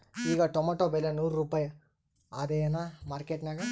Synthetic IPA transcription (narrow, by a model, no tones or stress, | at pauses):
iːɡɐʈomaʈoːbelːenuːɾɾuːpaːjɐ | ad̪ejɐnamaːɾkeʈnaːɡɐ